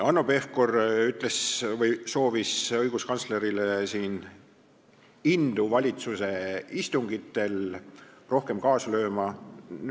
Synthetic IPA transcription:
ɑnːope̞fkoryt̪ˑle̞svɤjso̞ːvisɤjɡ̥uskɑnt̪sle̞ɾilesiːn | ind̪̥uvɑlʲit̪suse̞ist̪uŋɡ̥it̪ːˑe̞lro̞hke̞mkɑːslø̞ːmɑ

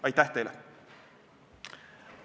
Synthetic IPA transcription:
ɑjt̪ːæht̪e̞jlɛ̰

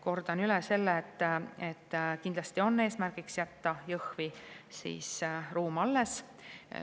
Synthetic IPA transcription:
ko̞rd̪̥ɑnylɛse̞lːet̪ːet̪ːkind̪̥lɑst̪io̞nːe̞ːsmærɡ̥iksjæt̪ːɑjɤhvisḭːsruːmɑlːes

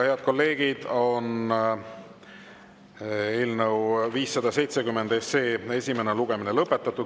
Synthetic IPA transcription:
he̞ɑd̪̥̚ko̞lːe̞ːɡ̥id̪̥o̞n | e̞ːlnəwviːsːɑd̪ɑse̞jt̪sekymːend̪̥e̞sːe̞ːe̞sʲime̞neluɡ̥e̞minelɤpːˑet̪ːˑɑt̪ːˑud̪̥

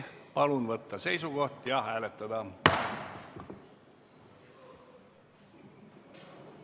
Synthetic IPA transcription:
pɑlunvɤt̪ːɑse̞jsuɡ̥o̞ht̪jɑhæːlet̪ːˑɑd̪ɑ

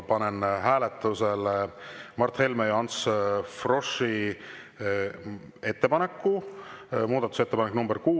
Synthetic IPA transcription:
pɑnenhæːlet̪ːˑuse̞l | mɑrt̪he̞lmejɑɑnt̪sfroʃi | e̞t̪ːe̞pɑne̞kːu | muːd̪ɑt̪ːˑu̥se̞t̪ːepɑneknumbeɾkuː

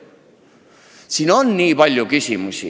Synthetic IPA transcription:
sinɔnːiβaʎːokisimusḭ

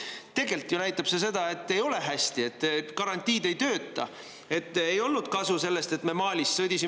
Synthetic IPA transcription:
t̪e̞ɡe̞lt̪jonæjt̪ːˑɑb̥se̞s̬e̞d̪̥ɑe̞t̪ːe̞jo̞le̞ɦæsʲt̪ie̞t̪ːˑkɑɾɑnʲt̪ʲːˑiːd̪e̞jt̪ø̞ːt̪ːˑɑ̰ | e̞t̪ːejo̞lnud̪̥kɑsuse̞lːe̞st̪e̞t̪ːme̞mɑːlʲisːɤd̪isi

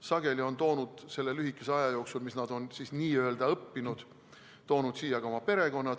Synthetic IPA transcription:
sɑɡ̥e̞lio̞nt̪o̞ːnud̪̥se̞lːelyɦikːˑe̞se̞ɑjɑjo̞ːksulmisnɑd̪̥o̞nsisniːøe̞ld̪̥ɑɤpːinud̪̥ | t̪o̞ːnud̪̥siːjɑɡ̥ɑo̞mɑpe̞ɾe̞ɡo̞nːɑt̪

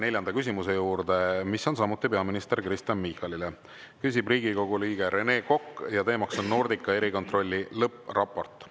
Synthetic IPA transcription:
ne̞lʲjɑnd̪ɑkys̬ʲimuse̞juːɾd̪e̞misːo̞ns̬ɑmut̪ːˑipe̞ɑminist̪e̞rkrist̪ɑnmihɑlile | kys̬ʲib̥riːɡ̥iko̞ɡuliːɡ̥e̞ɾe̞ne̞ːko̞kːjɑt̪e̞ːmɑkso̞nːo̞rd̪̥ikːˑɑe̞ɾiko̞nt̪ro̞lʲːilɤprʔɑpːˑo̞rt̪ːˑ

